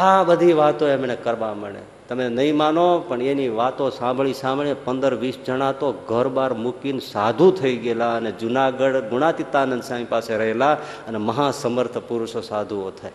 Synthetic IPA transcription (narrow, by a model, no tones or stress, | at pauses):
ɦabəd̪ʱiʋat̪õemnekəɾʋãməɳḛ | t̪əmenəɦĩmaːnopəɳeniʋat̪õsãmbʱɭisãmbɭepə̃nd̪əɾʋisd͡ʒəɽ̃at̪oɡʱəɾbaːɾmukinsad̪ʱut̪ʰəiɡelaəned͡ʒʊnaɡəɽɡʊnat̪it̪anənsãpaːseɾəɦela | əneməɦãsəməɾt̪ʰəpʊɾʊʃosaːd̪ʱuot̪ʰəe